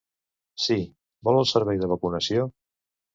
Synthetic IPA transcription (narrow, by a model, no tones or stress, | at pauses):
si | bɔlˠəlˠsəɾβɛjðəβ̞əkunəsio